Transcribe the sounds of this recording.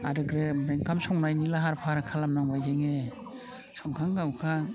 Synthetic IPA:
aɾɯɡɾemɾeŋkʰamsɔŋnajnilaɦaɾpʰaɾkʰalamnaŋbajd͡ʒeŋe | sɔŋkʰaŋɡawkʰaŋ

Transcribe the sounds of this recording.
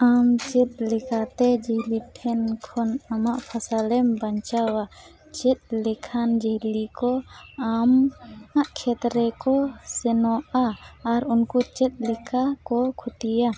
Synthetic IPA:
amt͡ʃɛt̪̚lɛkat̪ɛd͡ʒɛhliʈʰɛnkʰɔnamaʔpʰasalɛmbaɲt͡ʃawa | t͡ʃɛt̪̚lɛkʰand͡ʒɛɦlikɔamaʔkʰɛt̪ɾɛkɔsɛnɔʔaːɾunkut͡ʃɛt̪̚lɛkakɔkʰut̪ija

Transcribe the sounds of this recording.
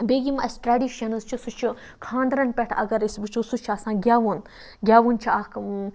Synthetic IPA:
beːɡimɐsʈɾaːɖiːʃɐnɨzt͡ʃʰusut͡ʃʰi | kʰãːnd̪ɾɐnpʲɛʈʰɐ̰ɡɐɾisbɨt͡ʃʰusut͡ʃʰasãːɡʲjaːʋun | ɡʲjaːʋunt͡ʃʰiaːk

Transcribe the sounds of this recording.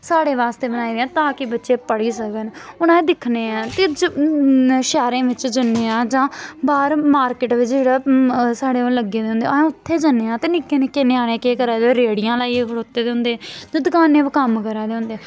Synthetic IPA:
saːɽeːʋaːst̪eːbənaːiːd̪eãːt̪ãːkɪbətːʃeːpəɽiːsəkənʊnãːd̪ɪkʰneːãːt̪eːd͡ʒ | ʃɛːɾẽːʋɪt͡ʃd͡ʒənːeːãːd͡ʒãːbaːɾmaːɾkɪʈʋɪt͡ʃd͡ʒeːɽaːsaːɽeːoləɡeːd̪eːɦʊ̃nd̪ḛ̃ːʊt̪ʰːeːd͡ʒənːeːãːt̪eːnɪkːeːnekːeːneːaːnẽːkeːkəɾaːd̪eɾeːɽijãːlaːiːkʰəɽoːt̪ːeːd̪eːɦʊ̃nd̪eːd͡ʒ̪ãːd̪ʊkaːnẽːʋkəmkəɾaːd̪eːɦʊ̃nd̪eː

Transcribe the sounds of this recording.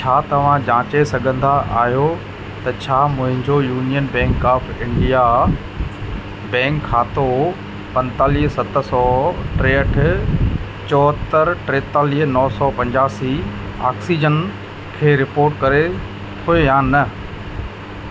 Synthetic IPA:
t͡ɕʰaːt̪ɐʋ̤ãd͡ʑãːt͡ɕesɐɡʱə̃nd̪aʔa̰ːɦijo | t̪ɐt͡ɕʰaːmʊ̃ɦɪ̃ɲd͡ʑojuːnijənbɛ̃ːŋkaːfɪ̃ɳɖija | bɛ̃ːŋkʰːaːt̪o | pɐ̃nt̪aːliːɦsɐt̪sɔːʈɾeːəʈʰɪ̆ | t͡ɕɔːt̪əɾʈɾeːt̪aːliːɦnɔːsɔːpɐ̃ɲd͡ʑaːsi | a̰ːksid͡ʑən | kʰeːɾɪpoːɾʈkɐɾe | t̪ʰoejaːnɐ

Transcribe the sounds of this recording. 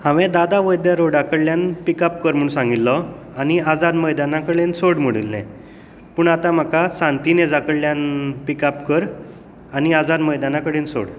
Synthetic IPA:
hãʋɛ̃d̪ad̪aʋəjd̪jaɾoɖakəɽljanpikap̚kəɾm̤uɳ̃sãŋɡilːɔ | añiad͡zad̪məjd̪anãkəɽensoɽm̤əɽilːɛ̰̃ | puːɳat̪am̤əkasãnt̪ined͡zakəɽlːjanpikapkəɾ | añiad͡zad̪məjd̪anakəɽenso̰ɽ

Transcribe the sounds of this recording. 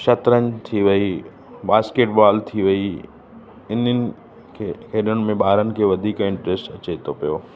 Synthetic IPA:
ʃɐt̪ɾənɪ̆t̪ʰiʋɐi | baːskeːʈbaːlt̪ʰiʋɐi | ɪnənɪ̆ | kʰekʰeːɗəñɪ̆mẽɓaːɾənɪ̆kʰeːʋɐd̪ʱiːkɪ̃ɳʈɾɪsʈɐt͡ɕet̪ʰopijoː

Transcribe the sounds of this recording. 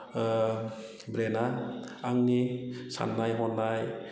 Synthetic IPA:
bɾenaːŋnisa̰nːajɦɔnːaj

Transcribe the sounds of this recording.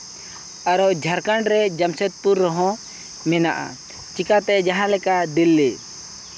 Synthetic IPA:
aɾɔd͡ʒʱaɾkaɳɖɾɛd͡ʒamsɛt̪̚puɾːɔɦɔ̃ | mɛna̰ʔa̰ | t͡ʃikat̪ɛʔd͡ʒaɦãlɛkad̪ilːi

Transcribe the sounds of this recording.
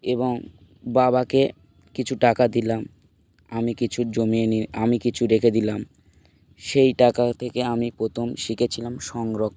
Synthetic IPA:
eboŋ | babake | kit͡ɕʰuʈakad̪ilam | amikit͡ɕʰud͡ʑomieniamikit͡ɕʰuɾekʰed̪ilam | ʃejʈakat̪ʰekeamipɾot̪ʰomʃiket͡ɕʰilamʃɔŋɾok

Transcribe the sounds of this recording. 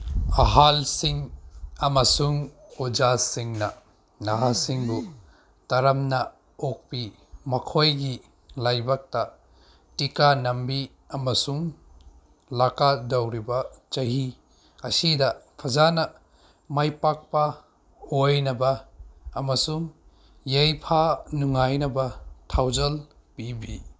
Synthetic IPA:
ɐɦalsiŋɐmɐsuŋod͡ʒasiŋnɐ | naɦasiŋbu | tɐɾɐmnɐ | ok̚pi | mɐkʰojɡi | lajbɐk̚tɐ | tikanɐmbi | ɐmɐsuŋ | lakadɐwɾibɐt͡ʃɐɦi | ɐsidɐpʰɐzanɐ | majpak̚pɐ | ojnɐbɐː | mɐsuŋ | jejpʰanuŋajnɐbɐtʰawzɐl | pibi

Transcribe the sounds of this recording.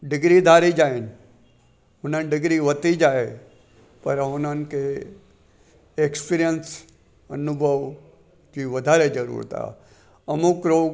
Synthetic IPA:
ɖɪɡɾid̪ʱaːɾid͡ʒaːɪnɪ̆ | ɦʊn̤ənɪɖɪɡɾiʋɐt̪id͡ʒaːe | pɐɾɦʊnənɪ̆kʰeː | ekspiɾijəns | ɐnʊbʱəʋ | d͡ʑiːʋɐd̪ʱaːɾed͡ʒɐɾṵːɾt̪ʰa̰ː | ɐmʊkɾoː

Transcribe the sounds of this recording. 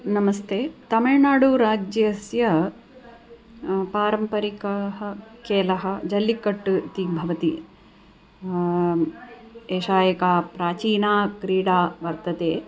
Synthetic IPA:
nɐmɐst̪ʰeːt̪ɐmɐɻnaːɽuɾaːd͡ʒjɐsjɐ | paːɾɐmpɐɾikɐɦɐkeːlɐɦɐd͡ʒɐlːikːɐʈːut̪iːk̚bʱɐʋɐt̪i | eːʂaːjɐkaːpɾaːt͡ʃiːnaːkɾiːɽaːʋɐɾt̪ɐt̪eː

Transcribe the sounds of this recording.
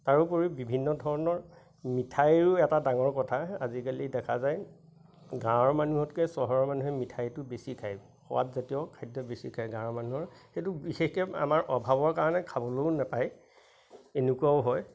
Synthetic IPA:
taɹupoɹibibʱinːɔdʱɔɹɔnɔɹ | mitʰajɹʊɛtadaŋɔɹkɔtʰaa̰zikalidɛkʰazaj | ɡãɔɹmanuɦɔtkɛsɔɦɔɹɔmanuɦɛmitʰajtʊbesikʰaj | xɔ̰wa̰tzatijɔkʰajdɔbesikʰajɡãmanuɦɔɹxejtʊbixexkɛa̰maɹʔɔbʱabɔɹkaɹɔnɛkʰabɔlojʊnapaj | enukuaʊɦɔj

